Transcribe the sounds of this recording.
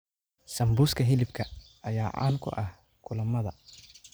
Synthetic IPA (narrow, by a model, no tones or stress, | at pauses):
sɐmbuːskʰɐɦɪlɪbkʰɐ | ɐjaːʕa̰ːŋkʰʊ̰ʔɐh | kʰʊlɐmɐðɐ̰